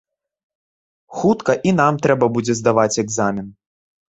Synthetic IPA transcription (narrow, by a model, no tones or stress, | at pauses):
xut̪kɐʔin̪amt̪ɾɛbɐbud͡zʲɛzd̪avat͡sʲɛɡzamʲin